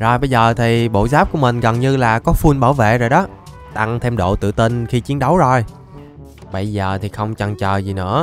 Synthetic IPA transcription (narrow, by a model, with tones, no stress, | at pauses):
zo˨˩jɓə˧jzəː˨˩t̪ʰi˨˩ɓo̰˧˨zaː˦˥p̚ku˧˩əmï˨˩ŋ̟ɣə˨˩nɲɨ˧laː˨˩kɔ˨˦fu˧nɓaː˧˩wvḛ˧˨zo˨˩jɗɔ˨˦ | t̪a˧ŋt̪ʰe˧mɗo̰˧˨t̪ɨ̰˧˨t̪i˧nxi˧t͡ɕi˨˦əŋɗə˨˦wzo˧˨˩j | ɓə˧jzəː˨˩t̪ʰi˨˩xə˧wŋ͡mt͡ɕə˨˩ŋt͡ɕəː˨˩zi˨˩nɨ̰˧˥ə